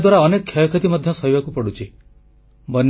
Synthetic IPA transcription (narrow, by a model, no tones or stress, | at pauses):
d̪waɾaɔnekɔkʰːjajɔkʰet̪imɔd̪ʱjɔsɔibakupɔɽut͡ʃʰi | bɔn